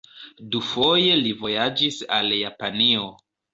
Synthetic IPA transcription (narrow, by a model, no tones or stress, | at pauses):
dufo̞je̞livo̞jad͡ʒisaljapanio